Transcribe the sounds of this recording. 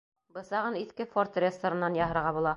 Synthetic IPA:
bɤ̆sɑʁɤniθkɘfort̪rʲest̪ŏɾɤ̆nːɑnjɑɦɤ̆ɾʁɑbulˠɑ

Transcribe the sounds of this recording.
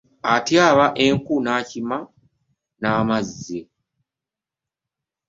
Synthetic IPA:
atjaːβaʔe̞ŋkunaːcima | naːmaze

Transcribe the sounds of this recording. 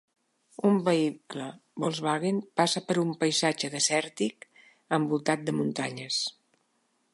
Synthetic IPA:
umbəikləbolˠzβaɣenpasəpəɾumpəjzad͡ʒəðəsɛɾt̪ik | əmbulˠt̪at̪̚d̪əmunt̪aɲəs

